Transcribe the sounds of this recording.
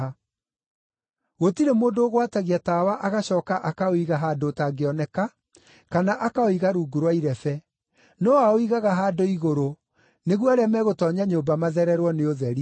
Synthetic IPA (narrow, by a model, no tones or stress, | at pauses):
ɣotiɾemoːndoːɣwataɣiatawaʔaɣaɕɔːkaʔakaoiɣaɦaːdotaɡeɔnɛka | kanaʔakaoiɣaɾuːɡuɾwaiɾɛfɛ | nɔaoiɣaɣaɦaːdoiɣoɾo | neɣwaɾɛmɛɣotɔɲaɲoːmbamaðɛɾɛɾwɔneoðɛɾi